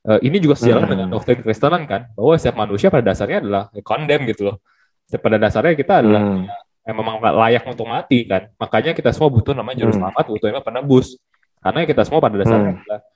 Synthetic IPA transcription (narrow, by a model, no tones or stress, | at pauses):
ʔəːʔinid͡ʒuɡasəd͡ʒalandəŋandɔk̚t̪ɾɪnkəɾist̪ənankanbaɦwasiap̚manusiapadadasarɲaːdalahkɔndɛmɡit̪u | sapadadasarɲakit̪aːdalaha | ememaŋa̰lajak̚unt̪ʊk̚mat̪ikanmakaɲakit̪asəmuabut̪ʊnamaɲad͡ʒəɾʊslamat̪̚but̪uemapərnəbʊs | karnakit̪asəmuapadadasa̰rɲadalah